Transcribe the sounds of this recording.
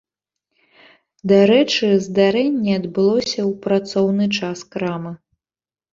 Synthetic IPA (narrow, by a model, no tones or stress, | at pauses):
d̪aɾɛt͡ʂɨzd̪aɾɛnʲːɛɐd̪bɨlˠɔssʲɐwpɾat̪sɔwnɨt͡ʂaskɾamɨ